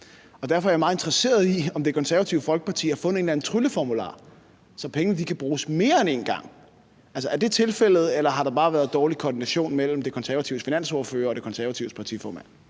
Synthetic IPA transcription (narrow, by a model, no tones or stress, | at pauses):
ɒ̽d̥æɐfɒɐjmɑ̈ːð̩ˠe̝nd̥ʁɐse̝̰ːɐð̞ˠiɒ̽md̥e̝kʰɒ̽nsæɐʋæt͡sʰiʊfɒ̽lɡ̥ə̥pʰɑ̈t͡sʰḭːæɐfɔ̽n̰əð̩e̝ːnlæn̩ˠt͡sʰʁyləfɒmulɑ̰̈ː | sɒ̽pʰeŋənəd̥ikʰæb̥ʁuːsme̝ːɐene̝ːnɡ̥ɑ̈ŋ̰ | æls̬ɒæɐd̥e̝t͡sʰe̝lfel̰ð̞̩ˠelɐɦɑ̈ɾ̥ɑ̈b̥ɑ̈ːʋæːɐðˠd̥ɒːlikʰɒːd̥inæɕo̝̰ːnmel̰m̩d̥e̝kʰɒ̽nsæɐʋæt͡sʰiʊ̥finæn̰sɔɐføːɐɒd̥e̝kʰɒ̽nsæɐʋæt͡sʰiʊ̥pʰɑ̈t͡sʰḭfɒ̰ːmæn̰